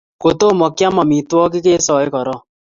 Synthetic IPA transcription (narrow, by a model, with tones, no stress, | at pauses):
ko˨t̪o˦˨mɔ˨kja˦ma˨mi˨twɔ˦k̬ɪ˦ke˦sɔ˨ɪ˦kɔ˨ɾɔ˦